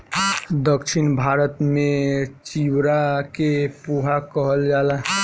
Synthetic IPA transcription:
d̪əkʃʰɪnbʱaːɾət̪mẽt͡ʃiwɾakepuɦakəɦəld͡ʒaːla

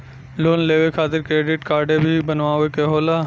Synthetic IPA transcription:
loːnleːʋekʰaːt̪ɪɾkɾeːɖɪʈkaːɾɖebʱibənʋaːʋekeɦoːlaː

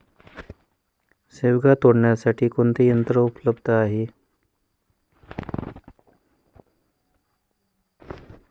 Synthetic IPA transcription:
sewɡat̪oɽɳjasaʈʰiːkont̪ijənt̪ɾəupləbd̪əaɦe

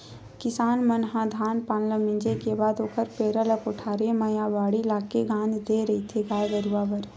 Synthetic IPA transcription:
kɪsaːnmənɦãd̪ʱaːnpaːnləmɪ̃ɲd͡ʒekebaːd̪oːkəɾpeːɾələkoʈʰaːɾeməjaʋaːɽilaːkeɡãːnd͡ʒd̪eɾɐɦit̪ʰeɡaːjɡəɾuaːbəɾ

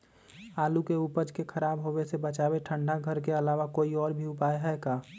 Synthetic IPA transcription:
aːlukeupəd͡ʒkekʰəɾaːbɦoːwesebət͡ʃaːbeʈʰə̃ɳɖaɡʱəɾk̬eɐlaːʋakoːiɔːɾbʱiʊpaːeɦɛkaː

